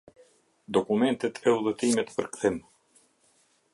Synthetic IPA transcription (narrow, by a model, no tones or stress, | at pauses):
d̪ɔkumɛnt̪ɛt̪ʰɛuðɛt̪imɛt̪pəɾkθɛm